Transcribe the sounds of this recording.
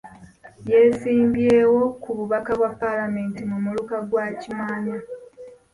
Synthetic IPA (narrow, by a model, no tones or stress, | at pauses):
je̞siːmbje̞ːwo̞kuβuβakaβwapːalame̞ːntimumulukaɡwacimaːɲa